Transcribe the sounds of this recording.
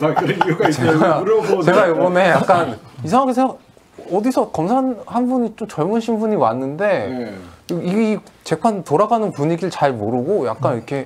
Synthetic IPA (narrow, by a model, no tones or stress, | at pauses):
akɯɾiuɡait͡ɕeaɾeɡajobʌne̞jak͈anisʰaŋaɡesʰeŋɡaɡ | ʌdisʰʌkʌmsʰanhanbuɲit͡ɕomt͡ɕʌɭmunɕʰimbuɲiwanːɯnde̞ | iit͡ɕe̞pʰantoɾaɡanɯnpuɲiɡiɭt͡ɕaɭmoɾɯɡoja̰k̚k͈aniʌkʰe̞